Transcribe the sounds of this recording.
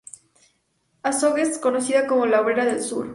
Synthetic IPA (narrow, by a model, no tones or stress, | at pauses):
asoɣesko̞no̞siðako̞mo̞laoβɾeɾaðe̞lsṵɾ